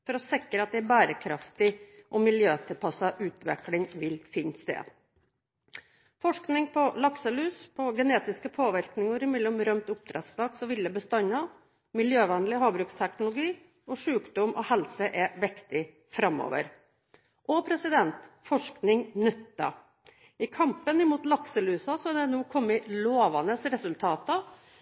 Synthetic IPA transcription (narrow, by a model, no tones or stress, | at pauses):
fɔɾɔsɪkɾəɑt̪̚d̪ɛæbæːɾəkʰɾɑft̪ɪʔɔmɪljøːt̪ʰɪlpʰɑsɑʔʉːt̪ʋɛ̰klɪŋʋɪlfɪnst̪ḛːd̪ | fɔʂknɪŋpʰɔlɑksəlʉːspʰɔɡɛneːt̪ɪskəpʰoːʋɪɾknɪŋəɾɪmɛlːɔmɾœmt̪ʊp̚t̪ʰɾɛ̰t̪sd̪ɑːksɔʋɪlːəbəst̪ɑnɑ | mɪljøːʋɛnlɪɦɑːbɾʉːkst̪ʰæknʊlʊɡiː | ɔʂʉːkd̪ɔmʔɔhɛlsəʔɛʋɪkt̪ɪ | fɾɑmːɔ̰ːʋə̰ɾ | ʔɔpʰɾɛsɪd̪ɛnt̪ | fɔʂknɪŋnʏt̪ːɑ̰ | ɪkʰɑmpənɪmuːt̪lɑksəlʉːsɑsɔɑd̪ɛnuːkʰɔmːɪloːʋɑnəsɾɛsʉlt̪ʰɑːt̪ɑ